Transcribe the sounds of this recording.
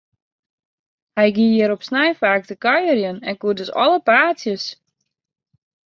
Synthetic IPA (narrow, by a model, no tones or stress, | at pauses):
hɛjɡijɪɾɔpsnɛjfaːk̚təkœjərjənɛnkudøsɔ̰ləpaːtsjəs